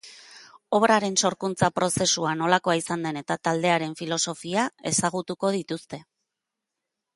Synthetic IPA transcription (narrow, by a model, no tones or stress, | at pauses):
o̞βɾaɾe̞nso̞ɾkunt͡sapɾo̞se̞suano̞lako̞aisand̪e̞ne̞t̪at̪ald̪e̞aɾe̞ɱfilo̞so̞fiae̞̰saɣ̞ut̪uko̞ð̞it̪ust̪e̞